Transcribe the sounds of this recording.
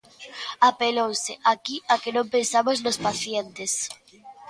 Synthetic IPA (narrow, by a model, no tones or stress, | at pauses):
apelowsɪʔakiakenõmpensamoznospaθjent̪es